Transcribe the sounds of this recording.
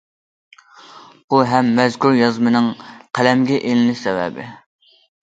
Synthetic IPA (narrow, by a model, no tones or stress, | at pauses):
buɦɛmːɛzkʲuɾjɑzmɨnɨŋqʰælɛmɡʲɛʔelɪlɪsɛwɛ̰bɪ̰